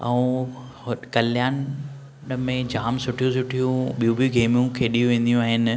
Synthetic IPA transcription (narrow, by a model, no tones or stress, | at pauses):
ɐ̰ũː | hkɐljaːn | ɗəmẽd͡ʑaːmsʊʈʰijũsʊʈʰijũɓijũbijuɡeːmijũkʰeːɗijũʋẽːn̆d̪ijũaːɦɪn